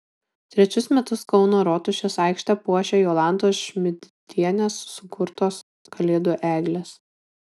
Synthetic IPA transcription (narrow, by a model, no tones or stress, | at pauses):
t̪ʲɾʲɛt͡ʃʲʊsmʲɛt̪ʊskɒʊnoːɾɔt̪ʊʃʲesɑˑɪkʃʲt̪ʲɛpuɔʃʲeːjoːlˠɑˑnd̪oːʃʲmʲɪd̪ʲd̪ʲiɛnʲeːsːʊkʰʊɾt̪oːs | kɐlʲeːd̪oʔæːɡlʲeːs